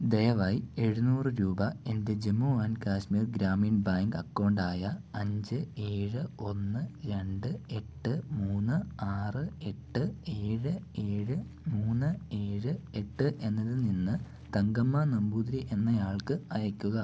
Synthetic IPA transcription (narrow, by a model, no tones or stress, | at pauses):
d̪ejɐʋaje̞ɻunuːrɨɾuːbɐe̞nde̞d͡ʑemːuaːnkaːɕmiːrɡɾaːmiːnbaːŋɡɐkːoːɳɖaːjɐɐɲd͡ʑɨe̞ːɻɨo̞nːɨɾe̞ɳɖɨe̞ʈːɨmuːnːɨaːrɨe̞ʈːɨe̞ːɻɨe̞ːɻɨ | muːnːɨe̞ːɻɨe̞ʈːɨʔe̞nːɐðɨninːɨ | t̪ɐŋɡɐmːɐnɐmbuːd̪ɾiʔe̞nːɐjaːɭkɨɐjɐkʲːuɣɐ